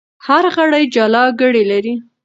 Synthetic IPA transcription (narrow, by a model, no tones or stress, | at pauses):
haɾɣaɽajd͡ʒɑlɑɡəɽelaɾi